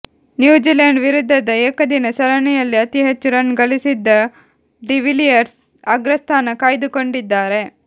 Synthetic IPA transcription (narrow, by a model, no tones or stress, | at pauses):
njuːd͡ʒiːlɐːɳɖʋiɾud̪ʱːɐd̪ɐeːkɐd̪inɐsɐɾɐnijɐlːiɐt̪iɦet͡ʃːuɾɐnːɡɐlisid̪ːɐ | ɖiʋilijɐɾs | ɐɡɾɐst̪ʰaːnɐkaːjd̪uko̞ɳɖid̪ːaːɾe̞